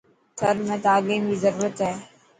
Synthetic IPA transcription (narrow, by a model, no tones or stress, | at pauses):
səɾmɛ̃ːt̪aːɡẽːbʱizəɾuːɾət̪ɦɛː